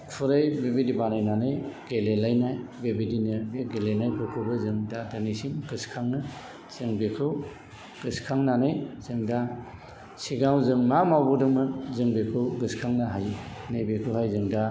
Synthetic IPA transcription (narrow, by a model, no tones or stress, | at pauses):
pʰuɾɯjbebidibanajnanɯjɡelelajnajbebidinɯɡeɡelenajpʰɯkʰɯbɯzɯŋdadanisinɡɯskʰaŋnɯ | z̥ɯŋbekʰɯw | ɡ̥ɯskʰaŋnanɯjz̥ɯŋda | siɡawzɯŋmamawbɔdɯmɯzɯŋbekʰɯwɡɯskʰaŋnaɦajnajbikʰɯɦajzɯŋda